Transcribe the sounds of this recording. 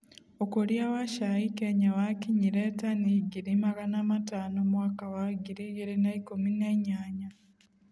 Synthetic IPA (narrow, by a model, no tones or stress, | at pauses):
okuljawaʃaikeɲawakiɲiɾeːtaniɡiɾimaɡanamataːnomwaːkawaɡiɾiɡiɾinaikumineɲaːɲa